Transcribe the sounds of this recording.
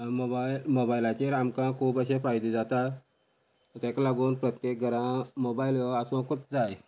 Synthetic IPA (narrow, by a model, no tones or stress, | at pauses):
mobailmobajlat͡ɕeɾamkãkʰuːpəɕefajd̪ed͡zat̪a | t̪ɛ̃klaɡuːnpɾət̪jek̚ɡʱəɾãmobailəasõkot̪̚d͡zaj